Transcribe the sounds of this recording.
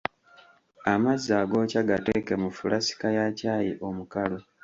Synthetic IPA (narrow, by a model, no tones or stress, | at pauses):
amazːaːɡo̞ːcaɡateːke̞mufulʔasi̥kajacaːjiʔo̞mukalo